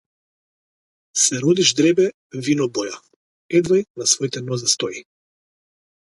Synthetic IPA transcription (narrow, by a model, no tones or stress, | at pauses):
sɛɾɔd̪iʒd̪ɾɛbɛ | vinɔbɔja | ɛd̪vajnasvɔit̪ɛnɔzɛst̪ɔji